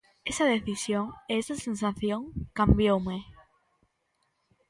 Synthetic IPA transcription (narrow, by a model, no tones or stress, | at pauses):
esaðeθisjoŋeesasẽnsaθjõŋkambjowme